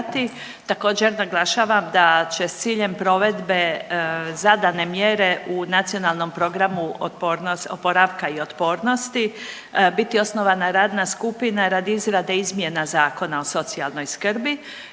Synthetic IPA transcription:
t̪i | t̪ako̞ːd͡ʑe̞ɾnaɡlˠaʃaːʋamd̪at͡ɕe̞st̪siːʎe̞mpɾo̞ʋe̞d̪be̞ | zad̪ane̞mjeɾe̞ʔunat̪sio̞nalˠno̞mpɾo̞ɡɾamupoɾnosopo̞ɾaʋkaio̞t̪po̞ːɾno̞st̪i | bit̪io̞sno̞ʋanaɾaːd̪naskupinaɾad̪iizɾad̪eizmije̞nazaːko̞nao̞so̞t̪sialˠno̞jskrbi

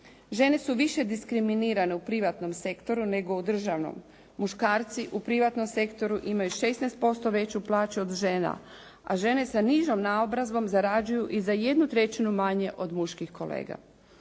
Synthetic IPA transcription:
ʒe̞ne̞suʋiʃe̞d̪iskɾiminiːɾane̞upɾiʋat̪no̞mse̞kt̪o̞ɾune̞ɡo̞ud̪r̩ʒaʋno̞̰mː | uʃkaːɾt̪siʔupɾiʋat̪no̞mse̞kt̪o̞ɾuʔimajuʃe̞snɛjst̪̚po̞st̪o̞ʋe̞t͡ɕuplaːt͡ɕuo̞d̪ʒe̞ːna̰ | a̰ʒe̞ne̞saniʒomnaobɾazʋo̞mzaɾad͡ʒujuʔizaje̞d̪nut̪ɾe̞t͡ɕinumaɲe̞ʔo̞d̪muʃkixko̞lḛːɡa̰

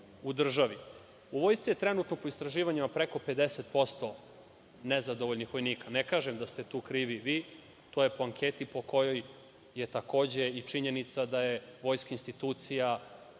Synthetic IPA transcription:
ud̪r̩ʒaʋi | uʋo̞ːjt̪sijet̪ɾe̞nuːt̪no̞poist̪ɾaʒiːʋaɲimapɾe̞ko̞pe̞d̪eset̪po̞st̪o̞ | nezad̪o̞ʋoʎnixʋo̞jniːkanekaːʒemd̪ast̪et̪uːkɾiːʋiʋiː | t̪oːje̞po̞aŋkʰeːt̪ipo̞ko̞jo̞jː | et̪ako̞ːd͡ʑe̞it͡ʂiɲe̞nit̪sad̪ajeʋo̞jskainst̪it̪uːt̪sija

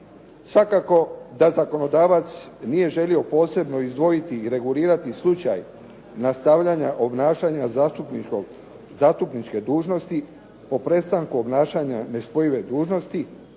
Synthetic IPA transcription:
sʋakako̞d̪azako̞no̞d̪aːʋat̪snije̞ʒe̞lio̞po̞ːse̞bno̞izd̪ʋo̞jit̪iːɾe̞ɡuliːɾat̪islˠut͡ʃa̰j | nast̪aʋʎaɲaʔo̞bnaːʃaɲat̪upo | zaːst̪upnit͡ʃke̞d̪uːʒno̞st̪i | po̞pɾe̞st̪aŋkuo̞bnaːʃaɲane̞spo̞jiʋe̞d̪uːʒno̞st̪i

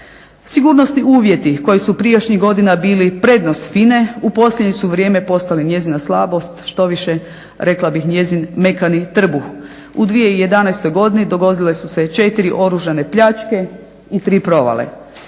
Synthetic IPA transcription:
siɡuːɾnosniuːʋjet̪iko̞jisupɾijoʃɲiɡo̞d̪inabiːlipɾe̞ːd̪no̞st̪fine̞upo̞slʎʲedɲisuʋɾje̞ːme̞po̞st̪aliɲje̞zinaslˠaːbo̞st̪ʃt̪o̞ʋiʃe̞ | ɾe̞klabixɲje̞zinme̞kanit̪r̩bux | ud̪ʋije̞ije̞d̪anajst̪o̞jɡo̞d̪inid̪o̞ɡo̞d̪ile̞suse̞t͡ʃe̞t̪iɾiʔo̞ɾuʒane̞pʎat͡ʃke̞ | it̪ɾiːpɾo̞ʋa̰lḛ

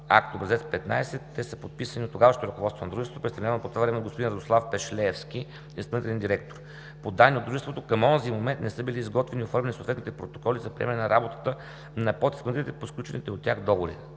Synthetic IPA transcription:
a̰kt̪oːbɾɐzɛt̪spɛt̪na̰jsɛt̪ːɛsəpot̪̚pisəniot̪ːoɡavəʃot̪oɾɐkovɔt̪st̪vond̪ɾuʒɛsot̪opɾist̪ɐvnʲavɐmpot̪ovavɾɛmɛnɡospod̪inɾɐd̪oslˠafpɛʃlɛfskʲi | inst̪ɐlnit̪ɛlɛnd̪iɾɛk̚t̪oɾ | pod̪anːiod̪d̪ɾuʒɛst̪vot̪okɐmɔnzimomɛnt̪nɛsɤbiliːzɡɔt̪vɛniofɔɾmʲɛnisot̪vɛt̪nit̪ɛpɾot̪o̥kɔlizɐpɾiɛmɛnɛnɐɾabot̪ə̥t̪ə | nɐpɔt̪ismɐnt̪it̪ɛposklʲut͡ʃɛnit̪ɛot̪ːʲjaxd̪ɔɡoɾḭ

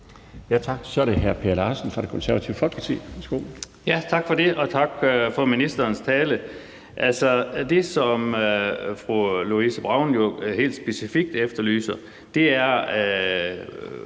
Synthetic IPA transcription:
jæt͡sʰɑ̈ɡ̥sɒ̽æɾeɦæɐpʰe̝ɐlɑ̈ːsən̩fʁɑ̈ɾe̝kʰɔ̽nsæɐʋæt͡sʰiʊfɒ̽l̰ɡ̥pʰɑt͡sʰḭːʋesɡ̥o̰ | jæt͡sʰɑ̈ɡ̥fɒde̝ʔɒ̽t͡sʰɑ̈ɡ̥fɒ̽minisd̥ɐːnst͡sʰɛːlə | ʔælsɒd̥e̝sɒ̽møfʁuluisəb̥ʁɑ̈ʊ̰njo̝ɦe̝̰ːld̥sb̥e̝sifiɡ̥̚d̥efd̥ɐly̰ːsɐ | d̥e̝æɐ

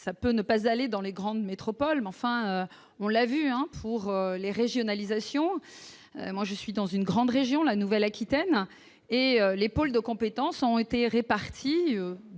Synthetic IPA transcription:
sapønəpazaled̪ɑ̃leɡʁɑ̃d̪met̪χɔpɔlmɑ̃fɛ̃ø | ɔ̃lavyɛ̃pʰuʁøleʁeʒjɔnalizasjɔ̃ | ø̰mwaʒəsɥid̪ɑ̃zynɡʁɑ̃d̪ʁeʒjɔ̃lanuvɛlakʲit̪ɛn | eølepold̪əkɔ̃pet̪ɑ̃sɔ̃et̪eʁepaʁt̪ʰiø

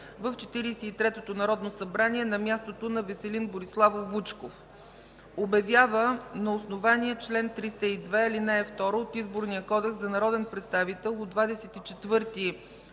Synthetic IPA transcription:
vəft͡ʃɛ̥t̪iɾisɛit̪ɾɛt̪ot̪onɐɾɔd̪nosɐbɾaniɛnɐmʲjast̪ot̪onɐvɛsɛlinboɾislˠavovut͡ʃkof | obɐvʲjavənɐosnovaniɛt͡ʃlɛnt̪ɾist̪əid̪vɛilinɛɛft̪ɔɾoot̪izboɾniəkɔd̪ɛkzɐnɐɾɔd̪ɛnpɾɛt̪st̪avit̪ɛlˠod̪vad̪ɛsɛt̪it͡ʃɛt̪vɤɾt̪i

